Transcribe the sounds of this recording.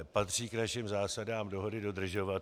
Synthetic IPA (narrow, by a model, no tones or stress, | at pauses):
pat̪r̝̥iːknaʃɪmzaːsadaːmdo̞ɦo̞dɪdo̞dr̩ʒo̞vat̪